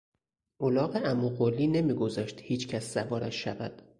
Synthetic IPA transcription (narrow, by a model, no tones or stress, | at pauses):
ʔolɒːɣeʔæmuɣolːiːne̞miːɡo̞zɒʃt̪hiːt͡ʃʰcʰæsːævɒːɾæʃʃævæd̪̥